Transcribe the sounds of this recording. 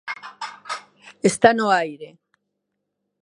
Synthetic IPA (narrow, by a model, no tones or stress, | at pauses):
est̪anoajɾe